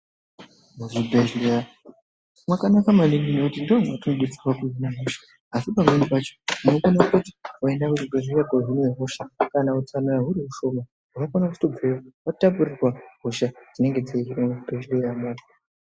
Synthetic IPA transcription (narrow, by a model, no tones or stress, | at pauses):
muʐibʱeʒleja | mwakanakamalininokutindoaŋatinoɗut͡sirwakuzinaɦoʃḁː | sipamenipat͡ʃonuukonakuti̥waendakuʐibʱeʒlijakoɦinjeɦoʃakanaut͡sanaraɦuɾimuʃo̞ma | ɦukakanakustobewaʋatap̬urirwaɦoʃad͡zine̞ŋɡe̞d͡zaiirwamubʱeʒlijamaːtḁ